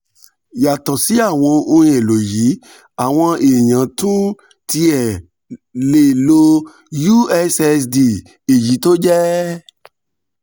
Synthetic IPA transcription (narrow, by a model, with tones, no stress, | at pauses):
ja˨tɔ˨si˨˦a˦˨w̃ɔ̃˧õ˧˦e˨lo˨ji˨˦ | a˦˨w̃ɔ̃˧e˨j̃ã˨˦tũ˦ | ti˧ɛ˨ | le˨lo˧ | ju˦˨ɛ˧sɛ˧sdi˧˨ | e˨ji˨˦to˦d͡ʒɛ˦